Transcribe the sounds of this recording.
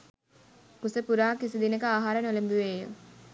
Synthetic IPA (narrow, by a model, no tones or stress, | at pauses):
kusəpuɾaːkisid̪inəkəaːɦaːɾənolembuʋeːjə̰